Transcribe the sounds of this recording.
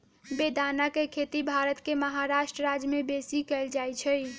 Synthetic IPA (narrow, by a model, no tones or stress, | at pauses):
bed̪anakekʰet̪ibʱaɾət̪keməɦaɾaʃʈɾəɾad͡ʒəmebesikəɪld͡ʒajt͡ʃʰəj